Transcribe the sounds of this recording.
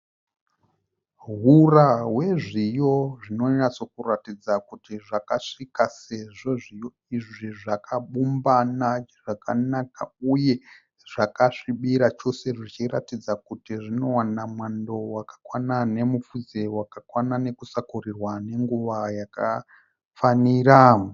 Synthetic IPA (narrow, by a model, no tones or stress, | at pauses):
ɦurawe̞ʐijo̞ʐino̞aso̞kuratid͡zakutiʐakaʂikase̞ʐo̞ʐijo̞ | iʐiʐakʰaɓumbanaʐ̥akanaka̰uje̞ | ʐ̥akaʂiɓiɾat͡ʃo̞se̞ʐit͡ʃira̰tid͡zakutiʐino̞wanamwando̞wakḁkwanane̞mufud͡zewakakwanane̞kusakurirwane̞ŋɡuʋajaka | faniɾam